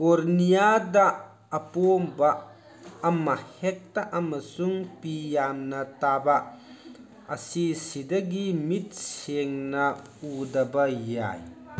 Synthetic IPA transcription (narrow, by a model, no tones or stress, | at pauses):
kɔɾnijad̪aʔ | ɐpombaʔ | ɐmɐhɛk̚t̪aʔɐmɐsuŋpijaːmnɐt̪aːbaʔ | ɐsisid̪ɐɡimit̪̚seŋnɐ | ud̪ɐbɐja̰j